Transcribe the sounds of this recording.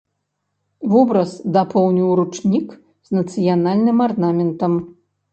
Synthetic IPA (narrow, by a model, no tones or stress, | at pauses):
vɔbɾɐzd̪apɔwnʲiwɾut͡ʂnʲik | z̥nɐt̪sɨjanalʲnɨmarnamʲɛnt̪ɐm